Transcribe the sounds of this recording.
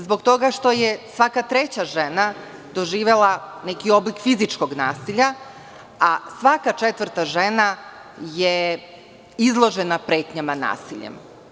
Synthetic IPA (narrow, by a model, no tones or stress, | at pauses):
zbo̞ɡt̪o̞ɡaʃt̪o̞jesʋakat̪ɾe̞t͡ɕaʒe̞na | d̪o̞ʒiːʋe̞lˠanekio̞blikfizit͡ʃko̞ɡna̰ːsiʎa | asʋakat͡ʃet̪ʋr̩ɾt̪aʒena | je | izlˠo̞ʒenapɾe̞ːt̪ɲamana̰ːsiʎḛm